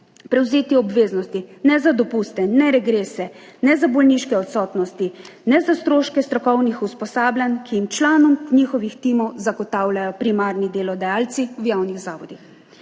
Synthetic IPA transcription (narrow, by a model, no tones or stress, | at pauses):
pɾɛwzeːt̪iɔbʋeːznɔst̪inɛzad̪ɔpuːst̪ɛnɛɾɛɡɾeːsɛ | nɛzabɔlniʃkɛɔt̪sɔːt̪nɔst̪inɛzast̪ɾoːʃkɛst̪ɾɔkɔwnixuspɔsaːblʲankiimt͡ʃlaːnɔmnixɔʋixt̪iːmɔwzaɡɔt̪aːwlʲajɔpɾimaɾnid̪eːlɔd̪ajaːlt̪siwjawniɣzaːʋɔd̪ix